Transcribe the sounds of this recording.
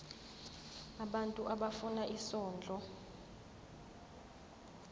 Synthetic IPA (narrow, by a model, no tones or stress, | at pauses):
aɓantʼuʔaɓafunaʔisɔːnd͡ɮʱɔ